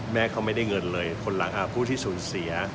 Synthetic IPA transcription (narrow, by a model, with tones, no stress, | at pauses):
mɛː˥˩kʰa˦˥wma˥˩jda˥˩jŋɤ˧nlɤː˧jkʰo˧nla˩˦ŋʔa˨˩pʰuː˥˩t̪ʰiː˥˩suː˩˦nsi˩˦ɐ